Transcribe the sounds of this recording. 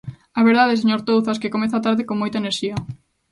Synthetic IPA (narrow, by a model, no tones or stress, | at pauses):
aβeɾðaðes̬eɲoɾt̪owθaskekomeθat̪aɾðɪkoŋmojt̪aeneɾʃiɐ